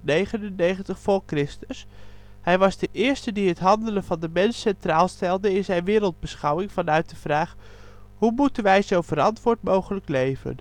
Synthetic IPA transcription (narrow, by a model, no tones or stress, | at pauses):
nejχənənːejχəntəχfʊːɹkrɪstəs | hɛjʋɑzdəʔɪːɹstədiɦətɦɑndələnvɑndəmɛnsɛntraːlˠstɛlˠdəɪnzɛjnʋɪːɾəlˠd̚bəsχɑwɪŋvɑnœɥt̚d̥əv̥raːχ | ɦumutənʋɛjzowvəɾɑntʋʊːɹtmowχələklejvə̰n